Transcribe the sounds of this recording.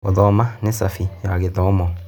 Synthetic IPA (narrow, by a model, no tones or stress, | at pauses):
ɔðɔmanesafijaɣetɔmɔ